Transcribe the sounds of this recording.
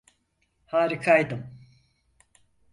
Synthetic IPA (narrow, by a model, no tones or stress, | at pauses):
haːɾikʰajd̪ɯm